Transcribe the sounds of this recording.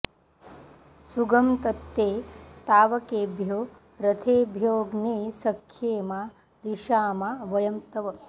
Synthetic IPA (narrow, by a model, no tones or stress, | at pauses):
suɡɐmt̪ɐt̪ːeːt̪aːʋɐkeːbʱjoː | ɾɐt̪ʰeːbʱjoːɡneːsɐkʰːjeːmaː | ɾiʃaːmaːʋɐjɐmt̪ɐʋɐ